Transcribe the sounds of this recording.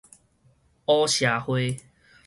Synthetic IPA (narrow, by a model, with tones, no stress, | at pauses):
ɔ˦ɕja˨˦hwe˧